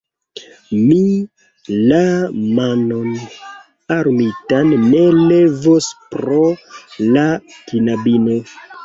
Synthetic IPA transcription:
mi | lamanon | aɾmitanːe̞le̞vospɾolakinabino

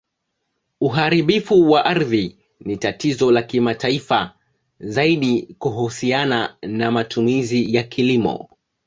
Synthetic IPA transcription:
uɦaɾiɓifuwaʔaɾði | nitatizɔlakimataifa | zaiɗikuɦusiananamatʰumizijakʰilimɔ̰

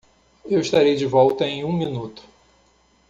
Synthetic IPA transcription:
ewɪʃt̪aɾejd͡ʒɪvɔwt̪ɐẽj̃ũminut̪ʊ̥

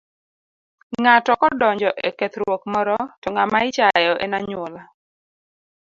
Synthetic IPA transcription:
ŋatɔkɔdɔɲd͡ʒɔʔekɛt̪ɾwokmɔɾɔtɔŋamaɪt͡ʃajɔʔenaɲwɔla

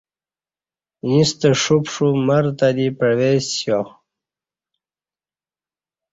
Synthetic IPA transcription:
jĩst̪əʂupʂuməɾt̪ad̪ipəwesjo

